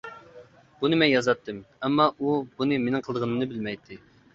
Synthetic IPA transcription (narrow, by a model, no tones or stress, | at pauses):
b̥unɨmɛnjɑzɑt̪ʰːɨmɛmːɑʔubunɨmenɪŋqʰəlˠd̪əʁənɨmnɨbɪlmɛjt̪ʰːɪ